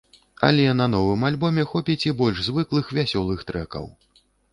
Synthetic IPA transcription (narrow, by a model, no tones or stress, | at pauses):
ɐ̰lʲɛnɐn̪ɔvɨmalʲbɔmʲɛxɔpʲit͡sʲibɔlʲʐzvɨklˠɨxvʲasʲɔlˠɨxt̪ɾɛkɐ̰w